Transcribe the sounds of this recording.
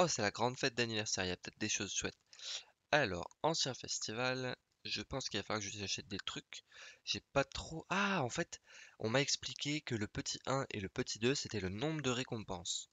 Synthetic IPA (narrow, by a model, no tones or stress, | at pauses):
ɔsɛlaɡʁɑ̃d̪fɛt̪̚d̪anivɛʁsɛʁiljapə̥t̪ɛt̪χd̪eʃozswɛt̪ | alɔ̰ːʁɑ̃sjɛ̃fɛ̰st̪ival | ʒəpɑ̃skilvafalwakəʒəizaʃɛt̪̚d̪et̪χykʒ̥ɛpat̪χoʔaɑ̃fɛt̪ɔ̰̃maɛksplikʲekələpət̪ʰiʔɛ̃ʔḛləpət̪ʰid̪øset̪ɛlənɔ̃bʁəd̪əʁekɔ̃pɑ̃s